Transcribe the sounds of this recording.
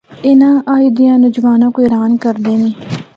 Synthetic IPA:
ɪnãːʔaːid̪ɪjãːnʊd͡ʒʋaːnãːkoːɪɾaːnkəɾd̪eːnẽː

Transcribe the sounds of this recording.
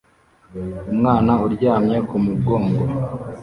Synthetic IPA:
umŋaːnauɾɟaːmɲe̞kumubɡo̞ːŋɡo

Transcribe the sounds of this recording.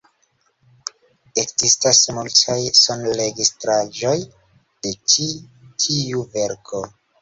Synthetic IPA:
e̞kzistasmultʰajsonle̞ɡistɾaʒo̞j | d̥e̞t͡ʃitʰiuve̞ɾkʰo̞

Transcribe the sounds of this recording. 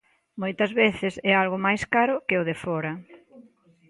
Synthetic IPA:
mojt̪ɐzβeθɪsɛalɣʊmajskaɾʊkɪʊðɪfɔɾɐ

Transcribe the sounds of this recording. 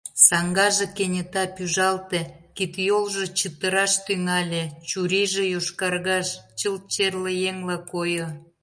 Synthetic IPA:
sɑŋɡɑʒekenʲət̪ɑpyʒɑlt̪ĕkit̪jolʒet͡ɕət̪əɾɑʃt̪yŋɑlʲet͡ɕuɾiʒejoʃkɑrɣɑʃt͡ɕəl̚t͡ɕerlejeŋlɑkojo

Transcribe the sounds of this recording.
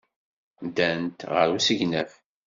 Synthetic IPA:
d̪ænt̪ʁəɾusəʝnæf

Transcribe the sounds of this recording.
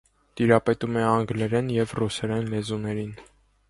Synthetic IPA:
t̪iɾɑpɛt̪umɛɑŋɡlɛɾɛnjɛvrusɛɾɛnlɛzunɛɾin

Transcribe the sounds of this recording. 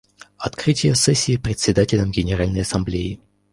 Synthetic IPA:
ɐt̪kɾɨtʲɪjəsɛsʲːiːpɾʲɪt̪ʲsʲɪd̪atʲɪlʲəmɡʲɪnʲɪɾalʲnəjɐsɐmblʲejɪ

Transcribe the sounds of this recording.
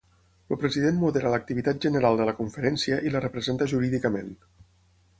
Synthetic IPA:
lupɾəziðenmuðeɾələk̚t̪iβit̪at̪̚ʒənəɾalˠd̪ələkuɱfəɾɛnsiəʔilərəpɾəzent̪əʒuɾiðikəmen

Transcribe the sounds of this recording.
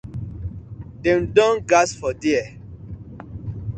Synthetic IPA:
dɛ̃ndɔ̃nɡasfɔdiɛ

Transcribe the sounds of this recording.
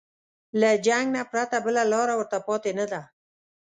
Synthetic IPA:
lad͡ʒaŋɡnapɾat̪abəlalɑɾawəɾt̪apɑt̪enad̪a

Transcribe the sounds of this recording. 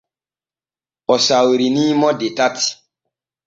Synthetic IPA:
ɔsawɾinimɔdetati̥

